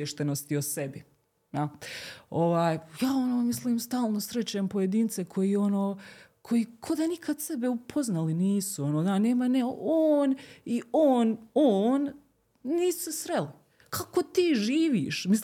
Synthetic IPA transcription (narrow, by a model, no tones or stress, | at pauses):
eʃt̪e̞no̞st̪iosebi | a | oʋaːjjaːonoːmisliːmst̪aːlˠno̞sɾe̞t͡ɕaempo̞jed̪iːnt̪se̞kʰo̞jiːo̞noːkʰo̞jiːkʰod̪anikʰad̪sebeupʰoznaliniːsuonoːd̪ane̞ːmaneoːnioːnoːn | niːsu̥sesɾeli | kʰako̞t̪iːʒiːʋḭːʃmi